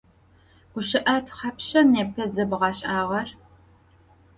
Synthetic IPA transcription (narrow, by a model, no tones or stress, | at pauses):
ɡ̥ʷʊɕɪʔɐtʰχɐpɕɐneːpʰɐzɐbʁɑɕʼaːʁɐr